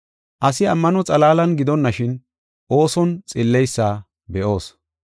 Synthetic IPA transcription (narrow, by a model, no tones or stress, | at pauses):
ʔɐsɪɐmːɐnɔt͡sʼɐlaːlɐnɡɪd̪ɔnːɐʃɪn | ʔo̞ːsɔnt͡sʼɪlːɛjsːaː | bɛʔo̞ːs